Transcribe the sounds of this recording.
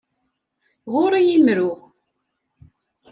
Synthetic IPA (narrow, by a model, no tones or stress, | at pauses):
ʁʊɾijimɾʊʁ